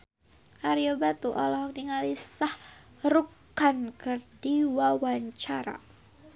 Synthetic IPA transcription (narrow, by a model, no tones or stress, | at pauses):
ʔaɾiobat̪uʔa̰lɔhak̚niŋalisah | ruk | ankərdiwawaɲt͡ʃaɾa̰